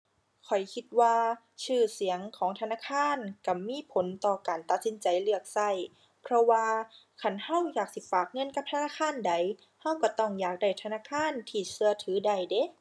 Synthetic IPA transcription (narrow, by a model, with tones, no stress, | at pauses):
kʰɔ˨˩jkʰi˧t̪̚waː˧ | sɯː˧˩si˩˦əŋkʰɔː˨˦ŋt̪ʰa˧naː˧˨kʰaː˧˥˨nka˧˩miː˧˥˨pʰo˨˦nt̪ɔː˧kaː˨˩nt̪a˧t̪̚si˨˦nt͡ɕa˨˩jlɯ˧˩ək̚sa˧˩j | pʰɾɔ˧waː˧ | kʰa˧˩˨nha˧˥˨wjaː˨˧˩k̚si˧˦faː˨˩k̚ŋɤ˧˥˨nka˧˥p̚t̪ʰa˧naː˧˥˨kʰaː˧˥˨nda˨˩j | ha˧˥˨wka˧˩t̪ɔ˧˩ŋjaː˧˩k̚da˧˩jt̪ʰa˧naː˧˥˨kʰaː˧˥˨nt̪ʰiː˧˩sɯ˧ɐt̪ʰɯː˨˦da˨˧˩jde˧˦